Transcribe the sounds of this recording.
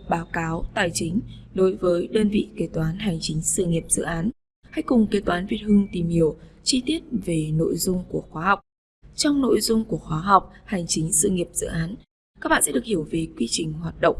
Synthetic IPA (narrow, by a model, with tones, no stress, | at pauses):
ɓaː˨˦wkaː˨˦wt̪aː˨˩jt͡ɕï˨˦ŋ̟ɗo˨˦jvəː˨˦jɗəː˧nvḭ˧˨ke˨˧˩t̪waː˨˦nɦa˨˩jŋ̟t͡ɕï˨˦ŋ̟sɨ̰˧˨ŋi˨˩əp̚zɨ̰˧˨ʔaː˨˦n | ha˧jkʊ˨˩ŋ͡mke˨˦t̪waː˨˦nvḭ˧˨˩ət̚hɨ˧ŋt̪i˨˩mhi˧˩əwt͡ɕi˧t̪i˦˥ət̚ve˨˩no̰˧˨jzʊ˧ŋ͡mku˧˩əxwaː˨˦ɦa˨˩wk͡p̚ | t͡ɕɔ˧wŋ͡mno̰˧˨jzʊ˧ŋ͡mku˧˩əxwaː˨˦ɦa˨˩wk͡p̚ha˨˩jŋ̟t͡ɕï˨˦ŋ̟sɨ̰˧˨ŋi˨˩əp̚z̥ɨ̰˧˨ʔaː˨˦n | ka˦˥k̚ɓaː˧˨sɛ̰˧˥ɗɨ˨˩əkhi˧˩əwve˨˦kwi˧t͡ɕï˨˩ŋ̟hwaː˨˩t̚ɗə̰˧˨ŋ͡m